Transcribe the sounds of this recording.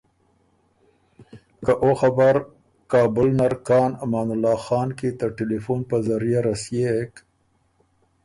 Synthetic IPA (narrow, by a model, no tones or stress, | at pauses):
kaʔoxabaɾ | kɑːbʊlnaɾkɑːnamɑːnʊlːɑːxɑːnket̪əʈelifunpəzaɾijaɾasjek